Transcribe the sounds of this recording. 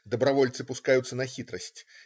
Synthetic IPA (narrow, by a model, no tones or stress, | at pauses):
d̪ɐbɾɐvɔlʲt̪sɨpʊskajʊt̪sːənɐxʲit̪ɾəsʲtʲ